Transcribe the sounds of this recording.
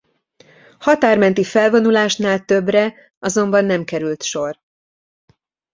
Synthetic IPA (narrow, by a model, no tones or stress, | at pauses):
hɒt̪aːrmɛnt̪ifɛlvo̞nulaːʃnaːlt̪ø̞brɛ | ɒzo̞mbɒnːɛmkɛɾylt̪ʃo̞r